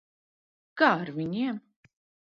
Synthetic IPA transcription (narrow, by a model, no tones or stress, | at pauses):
ɡ̥aːɾviɲiɛm